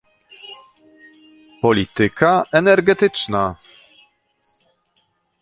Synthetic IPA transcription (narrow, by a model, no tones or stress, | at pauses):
pɔlʲit̪ɘkʰaʔɛnɛɾɡɛt̪ɘt͡ʂna